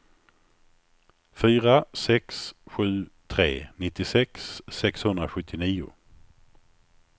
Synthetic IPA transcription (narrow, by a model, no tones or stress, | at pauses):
fyːɾasɛksɧʉ̟ːt̪ʰɾḛːnɪt̪ːɪsɛksːɛkshɵnd̪ɾaɧɵt̪ʰːɪniːʊ̰